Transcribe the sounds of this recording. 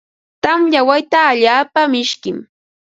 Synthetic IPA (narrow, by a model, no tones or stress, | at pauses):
t̪amʎawajt̪aːʎaːpamɪʃkɪm